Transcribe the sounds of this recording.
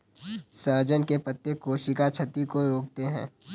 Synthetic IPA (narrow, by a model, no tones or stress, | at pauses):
səːd͡ʒənkepɐt̪ːekoːʃikat͡ʃʰɐt̪ikoɾoːkt̪eɦɛ̰̃ː